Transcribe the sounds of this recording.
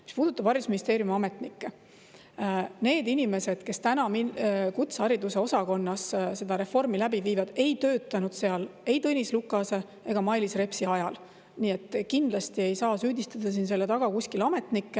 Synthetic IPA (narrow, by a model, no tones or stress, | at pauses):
mi̥spuːd̪̥ut̪ːˑɑb̥vɑɾjusminist̪e̞ːɾjumɑmet̪nikːe | ne̞ːd̪inime̞se̞d̪̥ke̞st̪ænɑminkut̪sɑɾid̪use̞o̞sɑko̞nːɑsse̞d̪̥ɑɾe̞fo̞rmilæbiviːvɑd̪̥e̞jt̪øːt̪ːˑɑnud̪̥se̞ɑle̞jt̪ɤnʲislukːˑɑse̞ | e̞ɡ̥ɑmɑjlisre̞psiɑjɑl | niːet̪ːˑkind̪̥lɑst̪ie̞jsɑːsyːd̪ist̪ɑd̪̥ɑs̬iːnse̞lːe̞t̪ɑɡ̥ɑkusʲkilɑme̞t̪nikːe